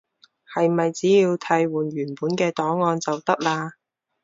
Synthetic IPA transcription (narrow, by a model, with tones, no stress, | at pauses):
hɐ˨jmɐ˨jt͡siː˨˥jiː˧wt̪ʰɐ˧jwuː˨˩nɥyː˨˩npuː˨˥nkɛː˧t̪ɔː˨˥ŋŋɔː˧nt͡sɐ˨wt̪ɐ˥k̚laː˧